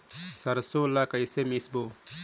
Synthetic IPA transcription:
sɐɾsõlakɐjsemisbo

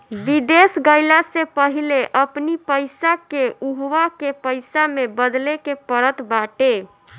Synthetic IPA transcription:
bid̪esɡəɪlasepəɦileʔəpnipəjsakeuɦʋakepəɪsamebəd̪lekepəɾət̪baʈe

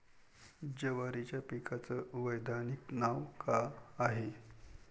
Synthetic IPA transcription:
d͡ʑəʋaɾit͡ɕjapikat͡səʋəjd̪aniknaʋkaːɦe

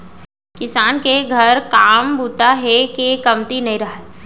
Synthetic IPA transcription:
kɪsaːnkeɡʱɐɾkaːmbuːt̪aɦɛkekɐmt̪inɐɦĩɾɐɦe

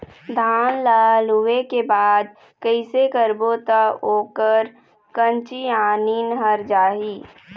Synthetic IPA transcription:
d̪ʱaːnlaːlɦuekebaːd̪̚ | kəɪsekəɾbot̪aoːkəɾ | kə̃nt͡ʃiaːninɦəɾd͡ʒaːɦiː

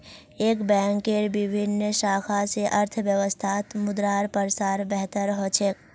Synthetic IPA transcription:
eːkbɛ̃ːŋkːeɾbɪbʱɪnʃaːkʰaseʔəɾt̪ʰʋjəʋəst̪ʰaːt̪mʊd̪ɾaːɾpəɾsaːɾbɛɦt̪əɾɦoːt͡ʃʰek

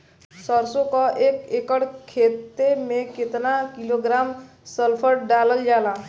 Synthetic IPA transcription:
səɾsokɔʔekekəɽkʰet̪ːemẽket̪nakiloɡɾam | səlpʰəɾɖaləld͡ʒala

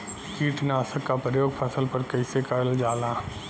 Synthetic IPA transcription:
kiːʈnaːsəkːapɾɐjoːɡpʰɐsəlpɐɾkɐɪsekəɾəld͡ʒaːlãː

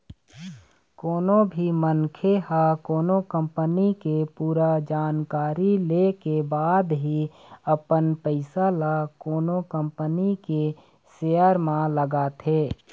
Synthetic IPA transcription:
koːnõbʱimənkʰehakoːnokə̃mpənikepuːɾad͡ʒaːnkaːɾilekebaːd̪ɦi | əpənpəɪsalakoːnokə̃mpənike | seːəɾmãləɡat̪ʰeː

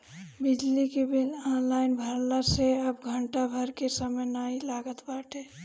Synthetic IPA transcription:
bɪd͡ʒlikebilɔnlaːɪnbʱəɾlaseəbɡʱəɳʈabʱəɾkesəməjnailaːɡət̪baʈʰe

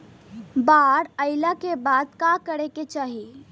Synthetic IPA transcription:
baɾəɪlakebad̪kakəɾeket͡ʃaːɦi

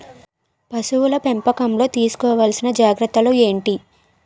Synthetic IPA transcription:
pɐsuʋulɐpempɐkɐmlo̞ːt̪iːsu̥kɔːʋaːlsinɐd͡ʒaːɡɾɐt̪ːɐloe̞ːɳʈi

